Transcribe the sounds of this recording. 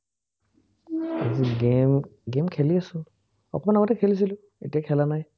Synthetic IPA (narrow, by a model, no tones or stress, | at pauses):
a̰ziɡemɡemkʰeliasʊl | ɔ̰kɔmanaɡɔtɛkʰelis̬ilʊ | ḛtiakʰɛlanaj